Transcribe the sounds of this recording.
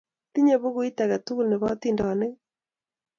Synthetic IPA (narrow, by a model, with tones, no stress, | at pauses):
ti˦ɲe˦˨βo˦ɣu˦i˦ta˨ɣa˨tu˦ɣu˦lne˨βa˦t̪i˦ndɔ˨ne˦